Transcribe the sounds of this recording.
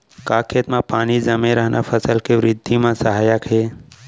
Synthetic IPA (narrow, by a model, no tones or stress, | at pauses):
kaːkʰet̪mãpaːnizəmẽɾəɦnʔa̰fʰəsəlkeʋɾɪd̪ʱːimãsəɦaːjəkɦeː